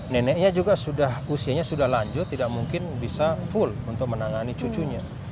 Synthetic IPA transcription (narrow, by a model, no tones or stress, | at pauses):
nɛnɛʔɲad͡ʒuɡasudahusiaɲasudahlaɲd͡ʒʊt̪ːidak̚muŋkɪnbisafʊlunt̪ʊk̚mənaŋanit͡ʃut͡ʃuɲa